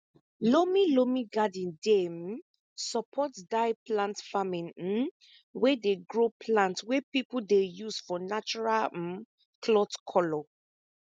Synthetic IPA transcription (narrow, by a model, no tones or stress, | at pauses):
lomilomĩɡadĩndem | sɔpʰɔtdaɪplãntfamĩn̩ | wɛdeɡɹopʰlãntwɛpipuldejusfɔnat͡ʃuɹal̩ | kʰlɔtkʰɔlɔ